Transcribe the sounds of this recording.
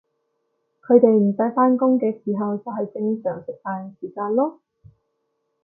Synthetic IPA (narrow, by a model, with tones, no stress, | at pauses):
kʰɵ˨˧ɥt̪e˨jm̩˨˩sɐ˧˥jfaː˥nkʊ˥ŋkɛː˧siː˨˩ɦɐ˨wt͡sɐ˨wɦɐ˨jt͡sɪ˧ŋsœː˨˩ŋsɪ˨k̚faː˧nsiː˨˩kaː˧nlɔː˥